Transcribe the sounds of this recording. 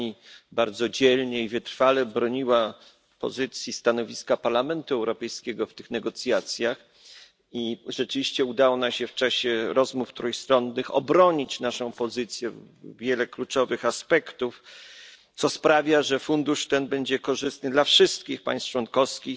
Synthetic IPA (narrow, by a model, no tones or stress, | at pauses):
ibaɾd̪zɔd͡ʑɛlɲɛivɘt̪ɾfalɛbɾɔɲiwa | pɔ̰zɘt̪sʲjist̪anɔvʲiskapaɾlamɛnt̪uɛwɾɔpɛjskʲɛɡɔft̪ɘxnɛɡɔt̪sʲjat̪sʲjax | iʐɛt͡ʂɘvʲiɕt͡ɕɛud̪awɔnamɕɛft͡ʂaɕɛɾɔzmuft̪ɾujst̪ɾɔnːɘxɔ̰bɾɔɲit͡ɕnaʂɔ̃w̃pɔzɘt̪sʲjɛ | vʲjɛlɛklut͡ʂɔvɘxaspɛkt̪uf | t̪sɔspɾavʲjaʐɛfund̪uʂt̪ɛnbɛɲd͡ʑɛkɔʐɘst̪nɘd̪lafʂɘst̪̚kʲixpa̰j̃st̪t͡ʂwɔnkɔfskʲix